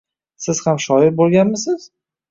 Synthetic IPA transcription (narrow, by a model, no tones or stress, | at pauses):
sɪz̥hamʃɒɪbolˠɡʲanmɪsɪz̥